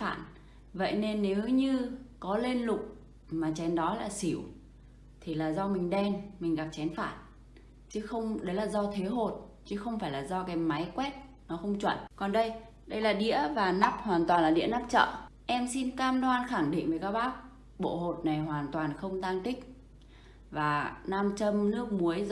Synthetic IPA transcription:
fa̰ː˧˨n | və̰˧˨jne˧nːe˨˦wɲɨ˧kɔ˨˦le˧nlʊ˨˩k͡p̚ | maː˨˩t͡ɕɛ˨˦nɗɔ˨˦laː˨˩si˧˩əw | t̪ʰi˨˩laː˨˩zɔ˧mï˨˩ŋ̟ɗɛ˧nmï˨˩ŋ̟ɣa˨˩p̚t͡ɕɛ˨˦nfaː˧˩n | t͡ɕɨ˨˦xə˧wŋ͡mɗə˨˦jlaː˨˩zɔ˧t̪ʰe˨˦ɦo˨˩t̚ | t͡ɕɨ˨˦xə˧wŋ͡mfaː˧˩jlaː˨˩zɔ˧kaː˨˦mːa˨˦jkwɛ˦˥t̚ | nɔ˨˦xə˧wŋ͡mt͡ɕwə̰˧˨nkɔ˨˩nɗə˧j | ɗə˧jlaː˨˩ɗḭ˧˥əvaː˨˩naː˦˥p̚hwaː˨˩nt̪waː˨˩nlaː˨˩ɗḭ˧˥ənaː˦˥p̚t͡ɕə̰ː˧˨ | ʔɛ˧msi˧nkaː˧mlwaː˧nxa˧˩ŋɗḭ̈˧˨ŋ̟və˨˩kaː˦˥k̚ɓaː˦˥k̚ | ɓo̰˧˨ɦo˨˩t̚na˨˩jɦwaː˨˩nt̪waː˨˩nxə˧wŋ͡mt̪aː˧ŋt̪ï˦˥k̟̚ | vaː˨˩naː˧mt͡ɕə˧mnɨ˦˥ək̚mu˨˦əj

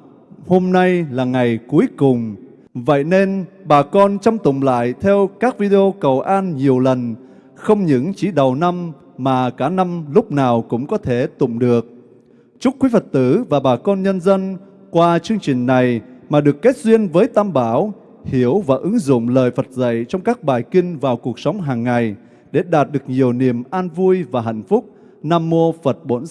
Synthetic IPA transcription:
ho˧mna˧jlaː˨˩ŋa˨˩jku˨˦əjkʊ˨˩ŋ͡m | və̰˧˨jne˧nɓaː˨˩kɔ˧nt͡ɕa˧wŋ͡mt̪ʊ̰˧˨ŋ͡mla̰ː˧˨jt̪ʰɛ˧wkaː˦˥k̚vi˧ɗe˧ʔo˧kə˨˩wʔaː˧nɲi˨˩əwlə˨˩n | xə˧wŋ͡mɲɨ̰˧˥ŋt͡ɕi˧˩˦ɗə˨˩wna˧m | maː˨˩kaː˧˩na˧mlʊ˦˥k͡p̚naː˨˩wkʊ̰˧˥ŋ͡mkɔ˨˦t̪ʰe˧˩t̪ʊ̰˧˨ŋ͡mɗɨ˨˩ək̚ | t͡ɕʊ˦˥t̚kwi˨˦fə˨˩t̚t̪ɨ˧˩vaː˨˩ɓaː˨˩kɔ˧nɲə˧nzə˧n | kwaː˧t͡ɕɨ˧əŋt͡ɕï˨˩ŋ̟na˨˩jmaː˨˩ɗɨ˨˩əkːe˦˥t̚zwi˧ənvəː˨˦jt̪aː˧mɓaː˧˩˦w | hi˨˧˩əwvaː˨˩ʔɨ˨˦ŋzʊ̰˧˨ŋ͡mlə̰ː˧˨jfə˨˩t̚zə̰˧˨jt͡ɕɔ˧wŋ͡mkaː˦˥k̚ɓaː˨˩jkï˧ŋ̟vaː˨˩wku˨˩ək̚sɔ˨˦wŋ͡mɦaː˨˩ŋːa˨˩j | ɗe˧˩ɗaː˨˩t̚ɗɨ˨˩ək̚ɲi˨˩əwni˨˩əmʔaː˧nvu˧əjvaː˨˩ɦa̰˧˨jŋ̟fʊ˦˥k͡p̚ | naː˧mːo˧fə˨˩t̚ɓo̰˧˦˥n

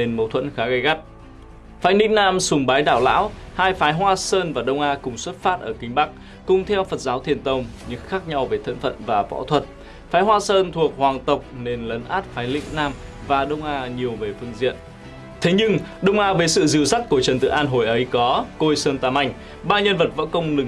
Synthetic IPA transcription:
ne˧nmə˨˦wt̪ʰwə̰˧˥nxaː˨˦ɣə˧jɣa˦˥p̚ | faː˨˦jlḭ̈˧˥ŋ̟naː˧msʊ˨˧˩ŋ͡mɓaː˨˦jɗaː˧˩wla̰ː˧˥whaː˧jfaː˨˦jɦwaː˧səː˧nvaː˨˩ɗə˧wŋ͡mʔaː˧kʊ˨˩ŋ͡mswə˦˥t̚faː˦˥t̚ʔəː˧˩kï˧˩ŋ̟ɓa˦˥k̚ | kʊ˨˩ŋ͡mt̪ʰɛ˧wfə˨˩t̚zaː˨˦wt̪ʰi˨˩ənt̪ə˧˩wŋ͡mɲɨ̰˧˥ŋxaː˦˥k̚ɲa˧wve˨˩t̪ʰə̰˧˨nfə̰˧˨nvaː˨˩vɔ̰˧˥t̪ʰwə˨˩t̚ | faː˨˦jɦwaː˧səː˧nt̪ʰu˨˩ək̚hwaː˨˩ŋt̪ə˨˩wk͡p̚ne˧nlə˨˦nʔaː˦˥t̚faː˨˦jlḭ̈˧˥ŋ̟naː˧mvaː˨˩ɗə˧wŋ͡mʔaː˧ɲi˨˩əwve˨˩fɨ˧əŋzḭ˧˨ən | t̪ʰe˨˦ɲɨ˧ŋɗə˧wŋ͡mʔaː˧vəː˨˦jsɨ̰˧˨zɨ˨˧əwsa˦˥k̚kət͡ɕə˨˩nt̪ɨ̰˧˨ʔaː˧nɦo˨˧˩jʔə˨˦jkɔ˨˦ko˧jsəː˧nt̪aː˧˩ma˧jŋ̟ | ɓaː˧nɲə˧nvə˨˩t̚vɔ̰˧˥kə˧wŋ͡mlɨ˨˩

